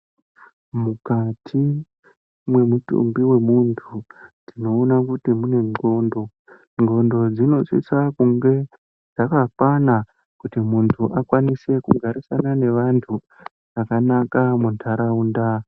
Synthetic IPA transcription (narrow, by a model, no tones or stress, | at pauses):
mukatʰi | mwe̞mutṵmbiwe̞muntʰudino̞ːnakutimune̞ŋɡo̞ndo̞ | ŋɡo̞ndo̞d͡zino̞t͡ʃḭsakuŋɡe̞ | d͡zakakwana | kutimuntʰuʔakwanise̞kuɡʱaɾisanane̞ʋantʰu | ʐ̥akanakamuntʰaɾaunda